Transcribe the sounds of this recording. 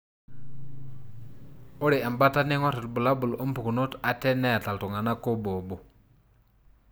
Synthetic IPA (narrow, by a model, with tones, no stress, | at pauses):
o˦ɾi˨a˨mba˦ta˦ni˦ŋa˦ti˨lbu˨la˦bu˨lo˦pu˨ku˨nu˦ta˨te˦ne˦ja˨ta˨ltu˨ŋa˨na˦ko˦bo˨bo˨